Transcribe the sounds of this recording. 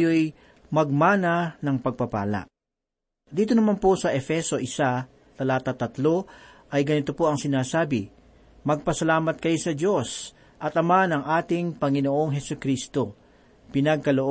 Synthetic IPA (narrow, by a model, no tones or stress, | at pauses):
joj | mɐɡ̚maːnɐnɐŋpɐɡ̚pɐpa̰ːlɐ̰ʔ | d̪iːt̪̬onɐmanposɐʔɛfɛso̞ʔɪsa | t̪ɐlaːt̪at̪ɐt̪lo̞ʔɐjɡɐnɪt̪o̞po̞ɐŋsɪnaːsaːbɪ | mɐɡ̚pɐsɐlaːmɐt̪̚kɐjosɐd͡ʒo̞s | ʔɐt̪ʔɐmanɐŋʔaːt̪ɪŋpɐŋɪnoʔo̞ŋɦɛsʊkɾist̪o̞ | pɪnɐɡ̚kɐloʔo